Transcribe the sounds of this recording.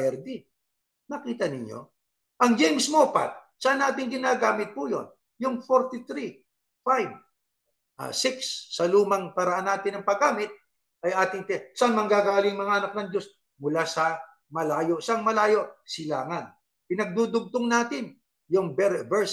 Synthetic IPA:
ɛɾd̪i | nɐkiːt̪ɐnɪɲjo̰ | ʔɐŋd͡ʒɛjmsmopa̰t̪̚ | sɐʔanʔaːt̪ɪŋɡɪnaːɡaːmɪt̪̚pujo̰n | jʊŋfoɾt̪it̪ɾi | fajv | ʔɐ̰sɪksːɐluːmɐŋpɐɾɐʔanːaːt̪ɪnɐŋpɐɡaːmɪt̪̚ | ʔɐjʔaːt̪ɪŋt̪ɛsɐʔɐŋmɐŋɡaːɡaːliŋmɐŋaʔɐnɐk̚nɐŋd͡ʒo̞s | mʊlasɐ | mɐlaːjo̞sɐŋmɐlaːjo̞ʔsɪla̰ːŋɐn | pɪnɐɡ̚d̪uːd̪ʊɡ̚t̪oŋnaːt̪ɪn | jʊŋbɛɾbɛɹs

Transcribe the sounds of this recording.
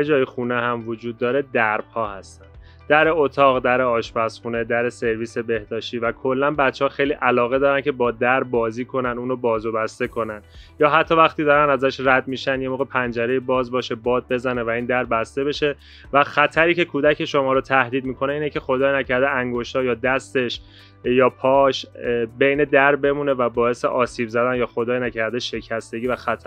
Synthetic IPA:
jed͡ʒɒːjixuːnehæmvod͡ʒuːd̪ːɒːɾe̞d̪æɾb̥hɒːhæst̪æn | d̪æɾeot̪ʰɒːɣd̪æɾeɒːʃbæsχuːne̞d̪æɾese̞ɾviːse̞be̞hd̪ɒːʃt̪iːvækʰo̞lːænbæt̪t͡ʃːehɒːxejliʔælɒːɣe̞d̪ɒːɾæncʰe̞bɒːd̪æɾbɒːziːkʰo̞nænuːnobɒːzobæst̪e̞kʰo̞nænjɒːɦæt̪ʰːɒːvæxt̪iːd̪ɒːɾænæzæʃræd̪miːʃænd̪jemoːɣe̞pʰænd͡ʒæɾe̞jebɒːzbɒːʃe̞bɒːd̪̚be̞zæne̞væiːnd̪æɾbæst̪e̞be̞ʃe̞ | væxæt̪ʰæɾiːcʰe̞kʰuːd̪æcʰe̞ʃo̞mɒːɾot̪ʰæhd̪iːd̪̚miːkʰo̞neiːnecʰe̞xo̞d̪ɒːjinæcʰæɾd̪eʔæŋɡoʃt̪ɒːjɒːd̪æst̪e̞ʃ | jɒːpʰɒːʃbe̞jne̞d̪æɾbe̞muːne̞væbɒːe̞se̞ʔɒːsiːbzæd̪ænjɒːxo̞d̪ɒːjnæcʰæɾd̪eʃe̞cʰæst̪e̞ɟʲiːvæxæt̪ʰæ

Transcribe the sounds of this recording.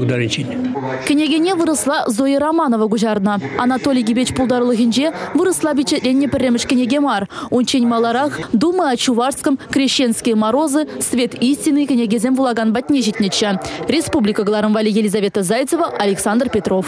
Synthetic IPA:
d̪ɑɾɨnʲt͡ʃinʲkʲʰɪ̆nʲeɡʲenʲevɯɾəslˠɑzojəɾamɑnovəɡuʒɑɾnɑɑ̰nɑt̪olʲijɡʲibʲet͡ɕpulˠd̪ɑɾəlˠəɣʲinʒevɨɾəslˠɑbʲeɕet̪ʲlʲenʲːepʲɪrʲːemɪʃkʲɪnʲeɡʲemɑrunt͡ɕenʲmɑlˠɑɾɑχd̪uməɑt͡ɕuvɑrskəmkrʲeɕːenskʲejmɑɾo̞zɨsvʲe̞t̪isʲtʲinːɨjkʲɪnʲeɡʲezʲemʲvulˠɑɡɑnbɑt̪ʲnʲeʒit̪ʲnʲeʃerʲe̞spublʲikəɡlˠɑɾəmvɑlʲijelʲizavʲe̞t̪əzɑjt̪səvəʔɐlʲeksɑnd̪rpʲe̞t̪rof

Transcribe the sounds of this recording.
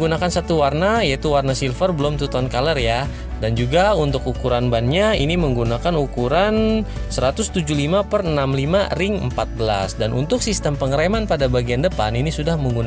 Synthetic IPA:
ɡunakansat̪uwarnajait̪uwarnasilfərbəlʊmt̪ut̪ɔnkalərja | dand͡ʒuɡaunt̪ʊkukuɾanbanɲainiməŋɡunakanukuɾan | səɾat̪ʊst̪ud͡ʒulimapərnamlimarɪŋəmpat̪̚bəla̰sdanṵnt̪ʊk̚sist̪əmpəŋəɾemanpadabaɡiandəpa̰ninisudahməŋɡun

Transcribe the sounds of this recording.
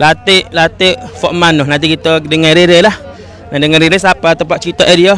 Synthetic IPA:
lat̪eʔlat̪eʔfɔʔmanʊhnãnt̪iʔkit̪ədəŋanɾeɾəlah | nadəŋanɾeɾəsapat̪əpaʔt͡ʃɾit̪aʔediɔ

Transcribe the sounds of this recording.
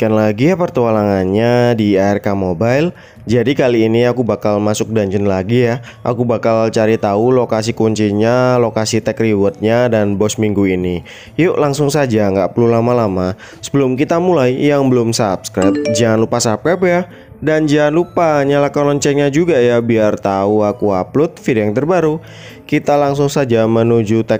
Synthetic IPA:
kanlaɡijapərt̪ualaŋanɲadiaɛrkamobajl | d͡ʒadikaliːniakubakalmasʊk̚daɲd͡ʒənlaɡija | ʔakubakalt͡ʃaɾit̪aulokas̬ikuɲt͡ʃiɲalokasit̪ɛkriwɔrt̪̚ɲadanbɔsmiŋɡuini | juʔlaŋsʊŋsad͡ʒaŋɡaʔpəlulamalama | sə̥bəlʊmkit̪amulaijaŋbəlʊmsapskɾap̚d͡ʒianlupasap̚kapja | dand͡ʒianlupaɲalakalɔɲt͡ʃɛɲad͡ʒuɡajabiart̪auakuaplʊt̪̚fidjaŋt̪ərbaɾu | kit̪alaŋsʊŋsad͡ʒamənud͡ʒut̪ɛk

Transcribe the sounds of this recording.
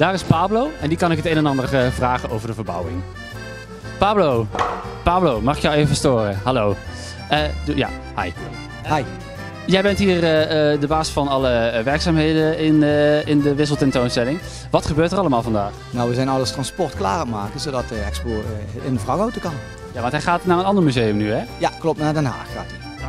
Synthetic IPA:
d̥aːrɪspaːblowɛndikɑnɪkɦətejnɛnɑndərvraːχənowvəɹdəvəɹbʌ̰wɪ̰ŋ | paːblow | paːblowmɑχɪkjəwejvəvəstoːrəɦɑlow | ja̰ | ha̰j | aj | jɛjbɛntɦiːrəədəbaːzɪ̥sfɑnɑləʋɛɹksaːmɦejdəɪnəɪndəʋɪs̬əl̩ˠtɛntownstɛlɪŋ | ʋɑtχəbøːɹtərɑləmaːlˠvɑndaːχ | nɔwʋəzɛjnɑlˠəstrɑnspɔɹtkla̰ːrəmaːkəzowdɑtəɛ̰kspoːɪndəvrɑkowtəkɑn | jaːʋɑntɦɛχaːtnaːɹənɑndəɹmyzejəmnyɦɛjaklɔp̚naːɹdɛnɦa̰ːxa̰ːt

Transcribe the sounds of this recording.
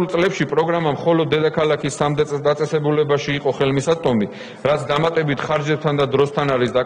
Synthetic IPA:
ulˠt̪sʼlɛpʃipʼɾɔɡɾamamχɔlɔd̪̚ːɛd̪akʰalakʰisd̪d̪at̪sʼɛsɛbulɛbaʃiːqʼɔχɛlmisat̪ʼɔmi | ɾat̪sʰd̪amat̪ʼɛbit̪ʰχaɾd͡ʒɛb̚t̪ʰand̪ad̪ɾɔst̪ʰanaɾisd̪a

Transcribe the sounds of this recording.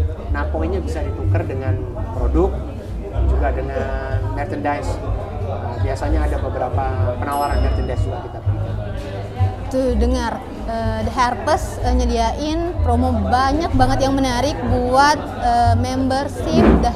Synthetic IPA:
napɔiɲabisadit̪ukərdəŋan | pɾodʊk̚ | d͡ʒuɡadəŋanmɛrt̪əndajs | əbiasaɲaːdabəbəɾapapənawaɾanmɛrt͡ʃ̪əndaisuɡakit̪apəlika | t̪udəŋar | ədəɦarpəsəɲədiaʔɪnpɾomobaɲak̚baŋət̪jaŋmənaɾɪk̚buat̪̚əmembərsɪp̚da

